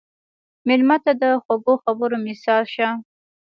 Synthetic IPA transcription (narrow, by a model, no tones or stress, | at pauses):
mɪlmat̪ad̪əxaɡoxabəɾomɪsɑlʃa